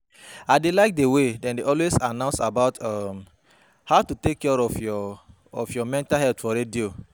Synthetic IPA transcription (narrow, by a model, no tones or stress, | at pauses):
aɪdelaɪk̚dewedɛ̃ndeɔlwesanãʊ̃nsabaʊtʰam | haʊtutekːɛɹɔfjɔ | ɔfjɔmɛ̃ntaɦɛltfɔɾedio